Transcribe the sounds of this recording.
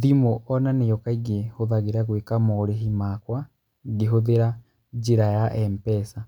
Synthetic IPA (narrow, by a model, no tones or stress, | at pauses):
ðimoʔɔnanejɔkaiɡehoðaɣeɾaɣwekamoɾeɦimakwa | ɡeɦoðeɾa | d͡ʒiɾajaʔɛmpɛsa